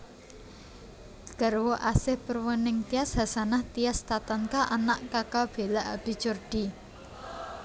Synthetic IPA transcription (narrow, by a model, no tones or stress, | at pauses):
ɡ̥ə̤ɾwoʔasɪhpərwənɪŋt̪iasɦasanaht̪ijast̪at̪ankaʔanaʔkakab̥e̤laʔab̥i̤t͡ʃʊrɖ̪̥i̤